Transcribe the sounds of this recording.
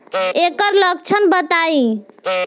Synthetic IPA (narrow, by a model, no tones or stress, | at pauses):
ekəɾləɡ̚t͡ʃʰənbət̪ai